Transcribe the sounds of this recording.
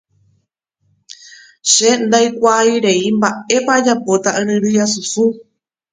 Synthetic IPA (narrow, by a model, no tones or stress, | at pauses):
ʃe̞nd̪ajkʷaiɾe̞imbae̞pad͡ʒapo̞t̪aʔɨ̃ɾɨ̃ɾɨjasusu